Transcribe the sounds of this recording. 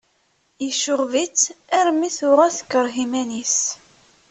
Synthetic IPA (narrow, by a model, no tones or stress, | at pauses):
jəʃʊʁvit͡sːæɾmiθʊʁæθə̥kːəɾˤɦimænis